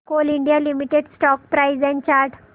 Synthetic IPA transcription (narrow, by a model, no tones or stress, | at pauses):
koliɳɖijalimiʈeɖsʈɔk̚pɾajzɛ̃nt͡ɕaɾʈʰ